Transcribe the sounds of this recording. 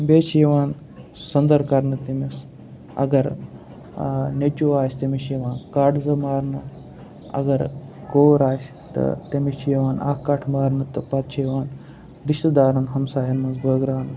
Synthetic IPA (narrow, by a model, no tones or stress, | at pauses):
bet͡ʃiʋaːn | sɐnd̪əɾkaɾnɐt̪emis | ɐ̰ɡɐɾ | net͡ʃuʋaːsʲt̪emiɕiʋãːnkaʈd͡zɐmaːɾnɐ | ɐ̰ɡɐɾkoːɾaːs | t̪ɐ̰t̪emit͡ʃiʋaːna̰kːaːʈʰmaːɾnɐt̪əpat̪t͡ʃʰiʋaːn | d̪iɕt̪d̪aːɾɐnɦɐmsaːjɐnːɐnzbəɡɾaːn